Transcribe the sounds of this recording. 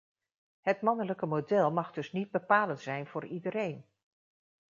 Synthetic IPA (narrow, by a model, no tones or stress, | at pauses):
hətmɑnələkəmodɛlˠmɑχdɵsnid̚bəpaːləntzsɛjnv̥ʊːridəɾejn